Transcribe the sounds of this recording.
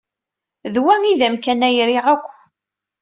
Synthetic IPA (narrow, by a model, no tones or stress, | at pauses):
ðwæŋiðæmkænæjɾiʁækʷː